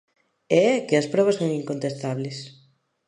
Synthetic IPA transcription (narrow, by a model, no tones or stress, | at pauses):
eɛkɪɐspɾɔβ̞ɐsoŋiŋkont̪est̪aβlɪs